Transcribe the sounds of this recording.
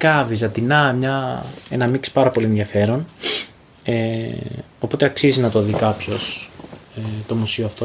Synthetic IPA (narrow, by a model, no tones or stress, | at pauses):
kɐvizɐt̪inɐmɲɐe̞nɐmikspɐɾɐpo̞lieðʝɐfe̞ɾo̞n | e | o̞po̞t̪e̞ɐksizinɐt̪o̞ðikɐpço̞set̪o̞musioɐft̪o